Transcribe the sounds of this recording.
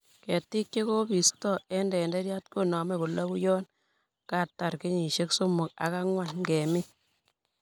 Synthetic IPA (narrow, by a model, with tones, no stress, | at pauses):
kɛ˨tːi˦k̚t͡ʃe˦ko˦bi˨stɔ˦˨ɛ˦ndɛ˨ndɛ˦ɾja˦t̚ko˦˨nɔ˨mɛ˦kʊ˨lɔ˦ku˦jɔ˦n | ka˦˨tːa˨ɾki˦ɲi˨ʃe˦ksʊ˦mʊ˨k̚a̰˨ka˦ŋwa˦˨nŋɡɛ˨mi˦